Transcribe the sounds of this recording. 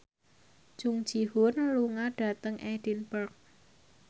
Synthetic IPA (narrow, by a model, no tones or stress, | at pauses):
d͡ʒ̥uŋ̥d͡ʒ̥ihʊnluŋaɖ̥ä̤t̪əŋʔɛd̥inpərk̚